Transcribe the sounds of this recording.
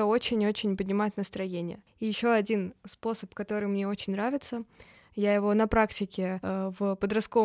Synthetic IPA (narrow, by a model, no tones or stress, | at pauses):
o̞t͡ɕɪnʲo̞t͡ɕɪnʲpədʲnʲɪmajʊt̪nəst̪ɾɐjenʲɪjə̰ | ijɪɕːo̞ɐdʲinspo̞səpkɐt̪o̞ɾɨjmnʲeo̞t͡ɕɪnʲnɾavʲɪt̪sə | jajɪvo̞nɐpɾaktʲɪkʲɪvpəd̪ɾɐst̪̚ko̞v